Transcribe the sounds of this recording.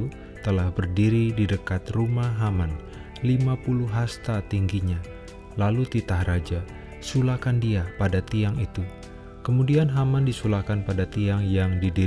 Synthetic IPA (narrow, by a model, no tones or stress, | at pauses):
u | t̪əlahbərdiɾididəkat̪rumaɦaman | limapuluɦast̪at̪iŋɡiɲa | lalut̪it̪ahrad͡ʒa | sulakandiapadat̪iaŋit̪u | kəmudianɦamandisulahkanpadat̪iaŋjaŋdidi